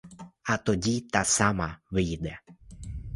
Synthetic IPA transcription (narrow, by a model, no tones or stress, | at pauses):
ɐt̪ɔdʲit̪ɑsɑmɐʋɪjd̪ɛ